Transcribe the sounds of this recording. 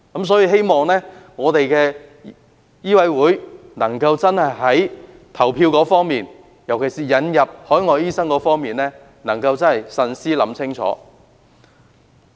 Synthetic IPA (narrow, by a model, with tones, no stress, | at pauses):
kɐ˨˥ms̬ɔː˨˥jiː˧ɦe˥jmɔː˨ŋnɛː˥ŋɔː˨˧t̪e˨jkɛː˧ | jiː˥wɐ˨˧jwuː˨˥jnɐ˨˩ŋkɐ˧wt͡sɐ˥nhɐ˨jɦɐ˨˥j | t̪ʰɐ˨˩wpʰiː˧wkɔː˨˥fɔː˥ŋmiː˨n | jɐ˨˩wkʰe˨˩siː˨jɐ˨˧njɐ˨p̚hɔː˨˥jŋɔː˨˧jiː˥sɐ˥ŋkɔː˨˥fɔː˥ŋmiː˨nlɛː˥ | nɐ˨˩ŋkɐ˧wt͡sɐ˥nhɐ˨jsɐ˧nsiː˥lɐ˨˧˥mt͡sʰɪ˥ŋt͡sʰɔ̰ː˨˥